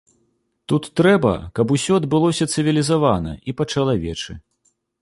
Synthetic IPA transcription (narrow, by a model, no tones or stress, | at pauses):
t̪ut̪ːɾɛbɐ̰kɐbusʲɔɐd̪bɨlˠɔsʲɐt̪sɨvʲilʲizavanɐ̰ipɐt͡ʂɐlˠavʲɛt͡ʂɨ